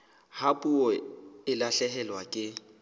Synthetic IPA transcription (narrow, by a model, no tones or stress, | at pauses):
hapʼuɔɪlaɬɛɦɛlwakʼɪ